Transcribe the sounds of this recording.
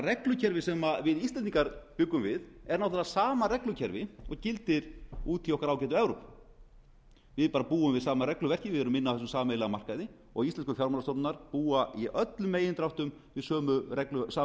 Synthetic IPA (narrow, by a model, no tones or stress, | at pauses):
rɛklʏcʰɛɾvɪsɛmavɪðist̪ɛniŋkaɾpʏkːʏmvɪðɛɾnawθalasaːmarɛklʏcʰɛɾvɪɔɣcɪlt̪ɪɾuːt̪ʰiɔhkaɾaːwcɛːt̪ʏɛvɾop | vɪðpaːɾapuːʏmvɪðsaːmaɾɛklʏvɛr̥cɪvɪðɛɾʏmɪnːawθɛs̬ʏmsaːmeːjlɛɣamar̥kaðɪ | ɔ̰ɣist̪ɛnskʏfjawɾmanast̪owɾnaɾ̥puːaiʔœt̪lʏmeːjɪnt̪ɾawht̪ʏm | vɪðsœːmʏɾɛklʏsaː